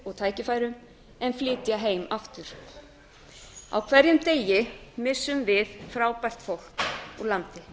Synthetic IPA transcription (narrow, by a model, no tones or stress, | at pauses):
ɔɣt̪ʰaːjcɪfaːjɾʏm | ɛnflɪːt̪jaɦeːjmaft̪ʏɾ̥ | a̰wkʰvɛɾjʏmt̪eːjɪmɪsːʏmvɪðfɾawpal̥t̪fowl̥kɔɣlant̪ɪ